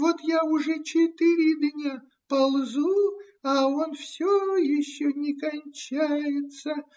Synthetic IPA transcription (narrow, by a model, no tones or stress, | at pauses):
vo̞t̪jaʊʐɛt͡ɕɪt̪ɨɾʲɪd̪nʲa | pɐlˠzu | ɐonfsʲojɪɕːonʲɪkɐnʲt͡ɕæjɪt̪sə